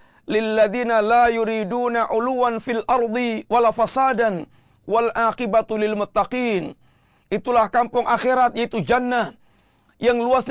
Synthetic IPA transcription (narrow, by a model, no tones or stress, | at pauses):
lɪlːaðinalajuɾiduːnaʔuluwanfilʔɑɾˤd̪ˤiwalafasaːdan | walʔaqibat̪lɪlmʊt̪ːaqiːn | it̪ulahkampʊŋʔaxeɾat̪̚jait̪ud͡ʒanːa | jaŋluas